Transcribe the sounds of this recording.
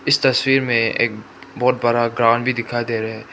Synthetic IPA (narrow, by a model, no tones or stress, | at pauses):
ɪst̪ɐswiːɾmẽḛːk̚ | bɔːt̪̚bəɾaɡɾãːɳɖbʱid̪ɪkʰaːed̪eːɾaɦɛː